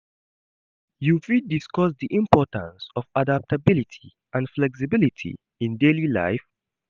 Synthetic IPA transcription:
jufiddiskɔsðiʔĩmpɔtã̰nsɔfadap̚tʰəbilitʰi̥ | ãnflɛks̬ibilitʰḭ | ĩndelila̰ɪf

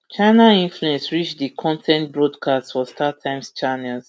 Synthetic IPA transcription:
t͡ʃaɪnaĩnfluɛ̃nsɹit͡ʃdikʰɔ̃ntʰɛ̃ntbɹɔdkʰastfɔstʰatʰãɪ̃mst͡ʃanɛls

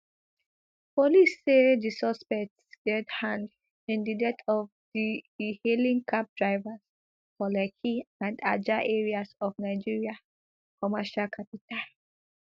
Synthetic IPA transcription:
pɔlisedisɔspɛk̚tsɡ̥ɛdhãnd | ĩndidɛtʰɔfdihelĩŋkʰap̚dɹaɪvas | fɔlɛkʰiãnda̰d͡ʒaʔeɹiasɔfnaɪd͡ʒiɹia | kʰɔmaʃalkʰapitʰal

